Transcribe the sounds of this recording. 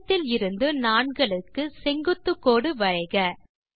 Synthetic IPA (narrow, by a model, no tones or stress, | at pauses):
t̪ːɪlɪɾɯnd̪ɯnaːɳɡɐɭɯkːɯsɛŋɡɯt̪ːɯkːoːɽɯʋɐɻɐɪɣɐ